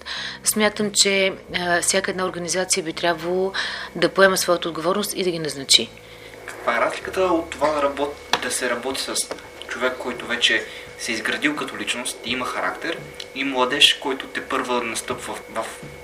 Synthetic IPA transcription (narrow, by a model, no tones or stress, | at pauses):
smʲjat̪əmt͡ʃɛfsʲjakəɛd̪naoɾɡɐnizat̪sijəbit̪ɾʲjabvəlˠəd̪ɐpoɛməsvɔjət̪əoːd̪ɡovɔɾnʊst̪id̪ɐɡʲinɐznɐt͡ʃi | kɐ̥kvaɛɾazlʲikət̪əot̪ːovad̪ɐɾɐbɔt̪ | d̪ɐsɛɾɐbɔt̪i̥səs | t͡ʃovɛkːɔjt̪ʊvɛt͡ʃɛ | sɛizɡɾɐd̪ilˠkɐt̪olit͡ʃnʊst̪ɛimɐxɐɾa̰kt̪ɛɾ | imlˠɐd̪ɛʃkɔjt̪ʊt̪ɛpɤɾvənɐst̪ɤpvəvɐf